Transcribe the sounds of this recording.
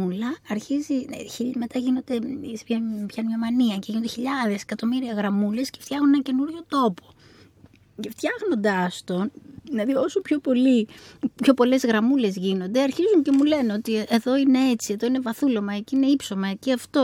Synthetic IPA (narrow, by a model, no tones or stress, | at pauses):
ulɐːɾçiziçime̞t̪ɐʝino̞nd̪e̞sepçɐpçɐnɲɐmɐniɐceʝinond̪eçiʎɐðe̞sekɐt̪o̞miɾiɐɣɾɐmule̞sce̥ft̪çɐxunenɐce̞nuɾʝo̞t̪o̞po̞̥ | ceft̪çɐɣno̞nd̪ɐst̪o̞nðinɐðio̞sopço̞po̞lipço̞po̞le̞zɣɾɐmule̞zʝino̞nd̪eɐɾçizunce̞mule̞neo̞t̪ieðo̞ine̞et͡sie̞ðo̞ine̞vɐθulomɐeciine̞ipso̞mɐeceɐft̪o̞